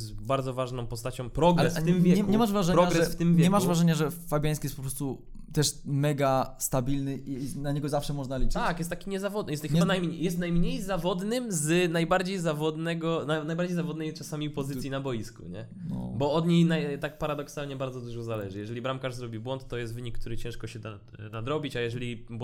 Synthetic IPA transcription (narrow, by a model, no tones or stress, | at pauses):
sbaɾd̪zɔvaʐnɔ̃w̃pɔst̪at͡ɕɔ̃w̃pɾɔɡaɛsfɪmvʲjɛkɛɲɛmaʐvɾaʐɛɾɔɲaɡɾɛɛsft̪ɪmvjɛɲɛmaʂvɾaʐɛɲaʐɛfabʲjajskijɛt̪pɔ̥pɾɔst̪u | t̪ɛʂmɛɡast̪abʲilnɘʔinaɲɛɡɔzafʂɛmɔʐnalʲit͡ʂt̪akjɛst̪akʲiɲɛzavɔd̪njɛst̪xɛbanajmɲjɛst̪najmɲejzavɔd̪nɘmznajbaɾd͡ʑejzavɔd̪nɛɡɔnanajbaɾd͡ʑejzavɔd̪nɛjt͡ʂasamʲipɔzɘsʲjinabɔjiskṵɲɛ | nɔ̰bɔɔd̪ɲejnajt̪ak̚paɾad̪ɔksalɲɛbaɾd̪zɔd̪uʐɔzalɛʐɘjɛʐɛlʲibɾamkaʐzɾɔbʲibwɔnt̪ːɔjɛst̪vɘɲikːt̪uɾɘt͡ɕɛ̃ʂkɔɕɛa | nad̪ɾɔbʲit͡ɕajɛʐɛlʲib